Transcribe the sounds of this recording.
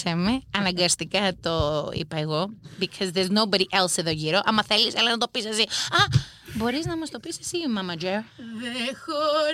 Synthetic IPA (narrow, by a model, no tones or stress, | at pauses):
semeɐnɐŋɡɐst̪ikɐt̪oḭpɐeɣobikʰozðeɾznowbɐɾiʔelseðoʝiɾo̞ʔɐmɐθe̞liselɐnɐt̪o̞pisesiɐ | bo̞ɾiznɐmɐst̪o̞pisesimɐmɐd͡ʒeɾðexo